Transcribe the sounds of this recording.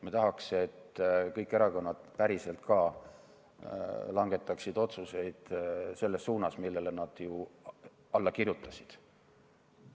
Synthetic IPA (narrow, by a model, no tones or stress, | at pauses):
met̪ɑɦɑkset̪ːkɤjkːˑeɾɑko̞nːɑd̪̥pæɾise̞lt̪kɑː | lɑŋɡ̥e̞t̪ːˑɑksid̪o̞t̪suse̞jd̪̥se̞lːe̞sːuːnɑsmilːe̞lenɑd̪̥ju | ɑlːɑkirjut̪ːˑɑsʲid̪̥